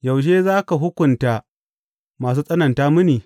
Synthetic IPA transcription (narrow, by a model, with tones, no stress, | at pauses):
ja˨wʃ̬eː˦zaː˦ka˨ɦʊ˦kʷʊ˨nta˨ | maː˨s̬uː˦sʼɐ˦nɐ˨ntaː˦mʊ˦niː˨